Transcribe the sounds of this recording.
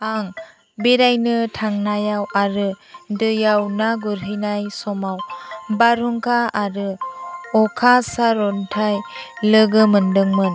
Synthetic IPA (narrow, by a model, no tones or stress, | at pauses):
aŋ | beɾajnɯtʰaŋnajawaɾɯdɯjawnaɡuɾɦɯjnajsɔmawbaɾuŋkʰaaɾɯɔkʰasaɾɔntʰaj | lɯɡɯmɯndɯŋmɯn